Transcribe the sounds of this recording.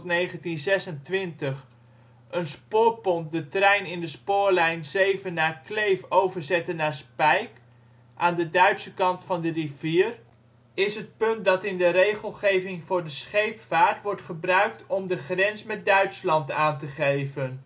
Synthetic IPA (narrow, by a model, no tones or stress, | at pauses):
tnejχəntinzɛsəntʋɪntəχ | ʔənspʊːɹpɔnt̚dətrɛjnɪndəspʊːɹlɛjnzejvənːaːɹklejfowvəɹzɛtənːaːɹspɛjk | ʔaːndədœɥtsəkɑntfɑndəriviːr | ɪsɦət̚pɵnt̚dɑtɪndəɾejχəlˠχejvɪŋvʊːɹdəsχejpfaːɹtʋɔɹtχəbrœɥk̚tɔmdəχrɛnsmɛt̚dœɥtslɑntaːntəχejvən